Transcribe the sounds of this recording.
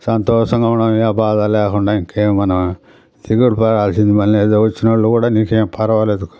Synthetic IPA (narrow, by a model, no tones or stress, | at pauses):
sɐnt̪oːʂɐŋɡɐuɳɐmaːbaːðɐleːkoɳɖaiŋkːeːmɐnɐm | t̪iɡɐɽpɐɾaːlsind̪imɐneðɐʋɐt͡ʃːinɐɭːukuːɽaːniːkeːmpɐɾɐʋaːled̪ukːu̥